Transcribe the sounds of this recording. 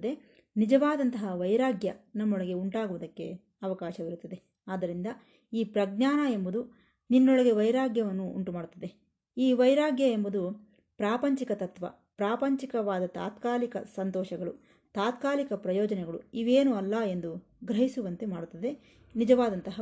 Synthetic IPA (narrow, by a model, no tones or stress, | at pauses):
ɐd̪e̞ | nid͡ʒɐʋaːd̪ɐnt̪ɐɦɐʋɐjɾaːɡjɐnɐmːɔɭɐɡe̞uɳʈaːɡuʋɐd̪ɐkːe̞̰ | ɐʋɐkaːʃɐʋiɾut̪ːɐd̪e̞ | aːd̪ɐɾind̪ɐ | iːpɾɐɡnaːnɐe̞mbud̪u | ninːɔɭɐɡe̞ʋɐjɾaːɡjɐʋɐnːuṵɳʈumaːɽut̪ːɐd̪e̞ | iːʋɐjɾaːɡjɐe̞mbud̪u | pɾaːpɐɲt͡ʃikɐt̪ɐt̪ʋɐ̰ | pɾaːpɐɲt͡ʃikɐʋaːd̪ɐt̪a̰ːt̪kaːlikɐ̰sɐnt̪ɔːʃɐɡɐɭu | t̪aːt̪kaːlikɐpɾɐjɔːd͡ʒɐnɛɡɐɭuiʋeːnuɐlːɐe̞nd̪u | ɡɾɐɦisuʋɐnt̪e̞maːɽut̪ːɐd̪e̞ | nid͡ʒɐʋaːd̪ɐnt̪ɐɦɐ